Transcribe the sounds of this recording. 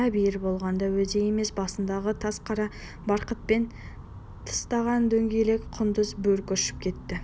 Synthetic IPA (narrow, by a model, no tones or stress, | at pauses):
æbijɪɾbo̞lˠʁɑnd̪ɑwɵzeje̞me̞sbɑsənd̪ɑʁət̪ʰɑsqʰɑɾɑ | bɑɾqət̪̚pe̞n | t̪ʰə̥st̪ɑʁɑnd̪ɵŋɡʲejle̞kʲqʰʊnd̪əzbɵlkʲøʃɪ̥p̚kʲʰe̞t̪ːɪ